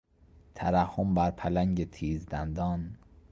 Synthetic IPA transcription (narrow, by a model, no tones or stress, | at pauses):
t̪ʰæɾæhːombæɾpʰælæŋɟet̪ʰiːzd̪ænd̪ɒːn